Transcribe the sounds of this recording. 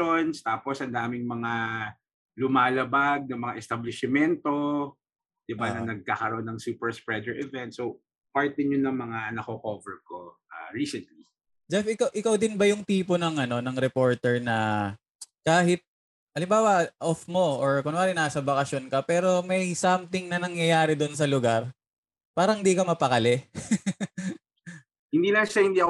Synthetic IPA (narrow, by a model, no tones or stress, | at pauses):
onst̪aːposhɐnd̪aːmɪŋmɐŋa | lʊmaːlɐbaɡ̚nɐmɐŋaʔɛst̪ɐblɪʃɪmɛnt̪o | d̪̥ɪbanɐnɐɡ̚kaːkɐɾoʔonɐŋsuːpɛɹspɹɛd̪ɛɹʔɛvɛnt̪̚sow | paɹt̪̚d̪ɪɲːʊnɐŋmɐŋanɐkokovɛɹkoʔa̰ɹiːsɛnt̪li | d͡ʒɛfɪkɐwʔɪkɐwd̪ɪnbɐjʊŋt̪iːponɐŋɐno̞nɐŋɾɛpo̞ɹt̪ɛɹnɐ | kaːɦɪt̪̚ | ʔɐlɪmbaːwɐʔofmoʔoɹkʊnɐaːɾɪnaːsɐbɐkɐsjonkɐpɛːɾo̞mɐjsɐmt̪ɪŋnɐnɐŋjɐjaːɾɪd̪ons̬ɐlʊɡaɾ | paːɾɐŋhɪnd̪iːkɐmɐpɐkɐlɛ | hɪnd̪iːnɐʃahɪ̃nd̪iːɐk